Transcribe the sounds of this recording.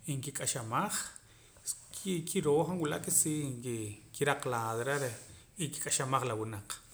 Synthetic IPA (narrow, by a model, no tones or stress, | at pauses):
iŋkikʼaʃamaχ | kikʰiɾoχanwila̰ʔkisiŋkikiɾaq͡χlaðɾaɾe | iki̥kʼaʃamaχlawinaq͡χ